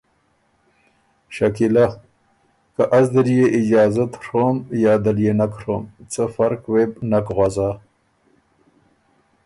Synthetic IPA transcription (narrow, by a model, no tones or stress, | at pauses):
ʃakila | kaʔazd̪əɾjeʔɪd͡ʒɑːzat̪ʂomjɑːd̪aljenakɾomt͡səfaɾkwebnakɣwaza